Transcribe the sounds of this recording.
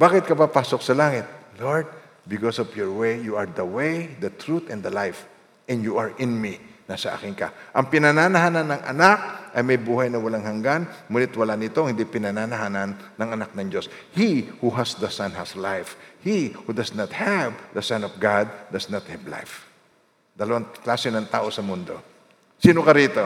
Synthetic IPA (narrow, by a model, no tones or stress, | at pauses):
baːkɪt̪̚kɐpapaːsok̚sɐlaːŋɪt̪̚loɹd̪̚ | bɪkosɔvjɔɹwejjuɐɹd̪ɐwejd̪ɐt̪ɹut̪ɛ̃nd̪ɐlajf | ʔɛ̃nd̪juaɹʔɪnminasɐʔa̰ːkɪnkɐ̰ʔɐŋpɪnanaːnɐɦaːnɐnːɐŋʔɐ̰nak̚ʔɐjmɐjbuːhɐjnɐwɐlaŋhɐŋɡanmuːnɪt̪wɐlanɪt̪oŋhɪnd̪ipɪnanaːnɐɦaːnɐnːɐŋɐnak̚nɐŋd͡ʒo̞shihuɦɐsd̪ɐsɐ̃nhɐslajfhihud̪ɐsnɐt̪̚hɛvd̪ɐsãnɔfɡad̪̚ːɐsnɐt̪̚hɛvla̰jf | d̪ɐlɐwaŋklaːsɪnɐŋt̪aːʔo̞sɐmʊnd̪o̞ | siːnokɐɾiːt̪o̞